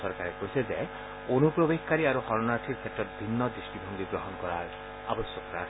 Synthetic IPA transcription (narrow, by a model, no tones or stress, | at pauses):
ɔɾkaɾekoɦiseze | onupɾobekkaɾiaɾuhɔɾɔnaɾʈʰiɾsʰeʈɔt̪bʱinːɔd̪ɾisʈibʱɔŋɡ̪iɡɾɔɦɔnkɔɾaɾ | abɔsjɔkɾa